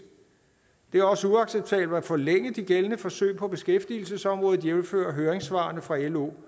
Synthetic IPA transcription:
d̥e̝æɐɒ̽səuɑ̈ɡ̥seb̥̚t͡sʰɛːb̥l̩æfɒ̽leŋəd̥iɡ̥elənəfɒ̽sø̰ɪ̰pʰɒ̽b̥e̝sɡ̥efd̥il̩səsɒ̽mʁɔ̽ːðð̩ˠjemfø̰ːɐɦøːɐʁeŋsʋɑ̰̈ːnəfʁɑ̈elo̝̰ː

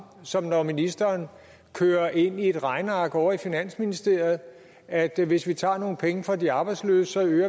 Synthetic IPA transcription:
sɒ̽mnɒminisd̥ɐːn | kʰøːɐʔe̝n̰ie̝d̥ʁɑ̈ɪnɑ̈ːɡ̥əɒʊɐifinæn̰sminisd̥e̝ɐ̰ð̩ˠ | æd̥ʋe̝sʋit͡sʰɑ̰̈ːno̝ːn̩pʰeŋəfʁɒd̥iɑ̈ːb̥ɑɪdslø̰ːssɒ̽øːɐ

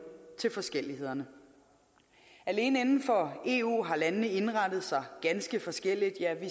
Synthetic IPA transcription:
t͡sʰe̝lfɒ̽sɡ̥el̰ihe̝ð̰ˠɐnə | æle̝ːnəenn̩fɒ̽e̝ṵːɦɑ̈lænəːəe̝nʁɑ̈d̥ð̞̩ˠsɑ̈ɪɡ̥ænsɡ̥əfɒ̽sɡ̥el̰id̥jæʋi

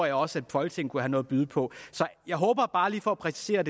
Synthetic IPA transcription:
ɐjɪɒ̽sæd̥fɒ̽lɡ̥t͡sʰeŋ̰n̩kʰuɦænɔ̽ːð̩ˠb̥yðˠpʰɒ̽sɒ̽jɑ̈ɪɦɔ̽ːb̥ɐb̥ɑ̈ːliːfɒæpʰʁɛsi̥se̝̰ːɐd̥e

